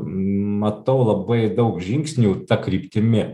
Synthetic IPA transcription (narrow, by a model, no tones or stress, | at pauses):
mɐt̪ɐʊlˠɐbɐɪd̪ɐʊkʒʲɪŋʲksʲnʲut̪ɐkɾʲiːpʲt̪ʲɪmʲɪ